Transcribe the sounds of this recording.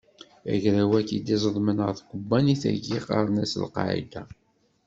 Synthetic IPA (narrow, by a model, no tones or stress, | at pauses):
æ̰ʝɾæwækid̪izˤəðˤmənəʁθɡʷəbːæniθæ̰ʝiqɑ̰ɾˤnæsə̰lqɑ̰ʕḭd̪æ